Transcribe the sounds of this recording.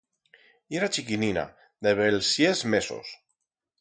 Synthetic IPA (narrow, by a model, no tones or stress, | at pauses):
ieɾat͡ʃikinina̰ | d̪eβelsjezmeso̰s